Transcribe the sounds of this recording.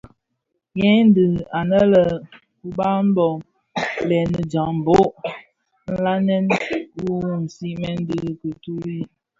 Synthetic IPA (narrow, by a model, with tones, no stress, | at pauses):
jɛ˦n˦dɨ˨a˨nə˦lə˨ | ku˨ba˦m̩˦bɔ˨ | lɛ˨nə˨d͡ʒa˨ŋm̩˨bo˦ʔ | n̩˦la˦nɛ˦nu˦wn̩˨si˦ʔmɛ˦n̩˦di˦˨kə˨tu˦ɾi˦